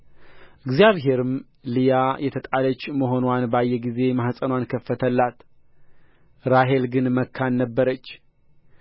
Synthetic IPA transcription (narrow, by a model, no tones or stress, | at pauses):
ʔɨɡzijaβɦe̞ɾɨm | lijajɛt̪ʰət̪ʼalət͡ʃːməɦo̞nwanbajːɛɡize̞mahsʼənwankʰəfːət̪ʰəlːat̪ | ɾaɦe̞lɡɨnməkʰːanːəbːəɾət͡ʃː